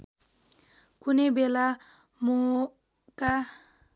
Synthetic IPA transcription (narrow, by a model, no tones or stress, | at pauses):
kunebela | mo | ka